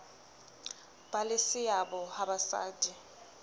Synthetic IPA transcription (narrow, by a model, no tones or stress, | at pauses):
b̥alɪsɪjabɔhabasa̰ːtʼi